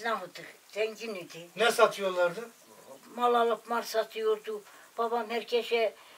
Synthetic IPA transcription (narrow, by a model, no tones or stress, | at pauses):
naɦut̪ɯkd̪ɛŋɡinyd̪inɛsɑt̪ʰɯjoɾlˠɑɾd̪ɯ | mɑlˠɑlˠapmɑɾsɑt̪ʰɯjoɾd̪ub̥ɑbɑmhɛɾkʰɛʃɛ